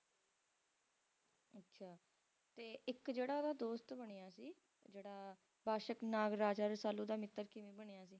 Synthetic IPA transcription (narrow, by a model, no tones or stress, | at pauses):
ətːʃʰaː | t̪eːʔɪkd͡ʒeːɽaːd̪aːd̪oːst̪bəɽ̃iːaːsiː | d͡ʒeːɽaː | baːʃəknaːɡɾaːd͡ʒaːɾsaːluːd̪aːmɪt̪ːəɾkɪʋẽːbəɽ̃ejaːsiː